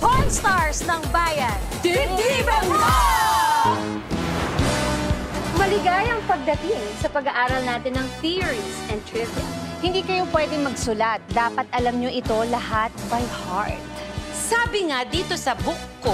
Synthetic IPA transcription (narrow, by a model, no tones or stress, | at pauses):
ponst̪aɹsnɐŋbaːjɐn | ibɐŋa | mɐlɪɡajɐŋpɐɡ̚d̪ɐt̪ɪŋsɐpɐɡɐʔaːɾɐlnaːt̪ɪnːɐŋθiɹisɛnt̪ɹɪzɛŋhɪnd̪iːkɐjopwɛd̪ɪŋmɐɡsʊlat̪̚d̪aːpɐt̪ʔɐlɐmɲoʔɪt̪o̞lɐhat̪̚bɐjha̰ɹt̪̚saːbɪŋad̪iːt̪osɐbʊkːo